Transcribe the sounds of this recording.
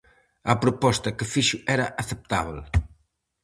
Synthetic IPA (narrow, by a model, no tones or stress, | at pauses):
ɐpɾopɔst̪ɐkɪfiʃʊʔɛɾɐʔɐθep̚t̪a̰βl